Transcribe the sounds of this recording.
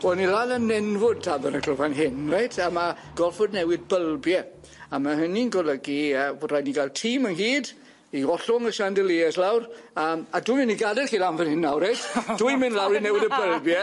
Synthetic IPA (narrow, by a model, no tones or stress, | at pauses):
ɔnilaːnənɛnvʊd̚tʰaːbənəɡləvanɦɪnrejtʰama | ɡ̥ɔlˠfɔdnɛwɪd̚bəlˠbjɛ | amaɦəninɡɔlˠəɡiərajniɡalˠtʰiːmənɦiːd | iɔɬʊŋəʃandəlˠiɛslawr | əːmadumɪnːiɡadɛrχiːlˠanvənhɪnːawrejtʰd̥uɨmɪnlˠawɾinɛwɪdəbəlˠbjɛ